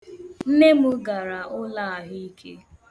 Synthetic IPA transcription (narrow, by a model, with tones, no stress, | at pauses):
n̩˦ne˦mʊ˦ɡa˨ɾa˨ʊ˦la˦a˨ɦi˦i˦kʰḛ˦